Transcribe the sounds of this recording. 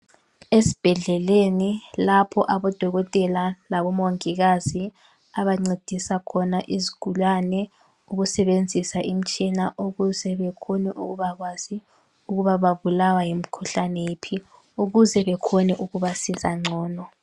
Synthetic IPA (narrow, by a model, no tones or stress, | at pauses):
esi̥b̥ʱɛɮɛlenilapʰɔʔaβɔd̥ʱɔɣɔtʼɛlalaβɔmoŋiɣazi | aβaŋ͡ǀed̥ʱisakʰɔnaʔiziɡ̥ʱulwanɛ | uɣusɛβend͡zʱisaʔim̩t͡ʃʼinaʔoɣuzɛβɛkʰoniʔuɣuβaɣwaz̥i | uɣuβaβaβulawajim̩kʰuɬanɛjepʰi | uɣuzɛβɛkʰonɛʔuɣuβasizaŋ͡ǀʱɔːnɔ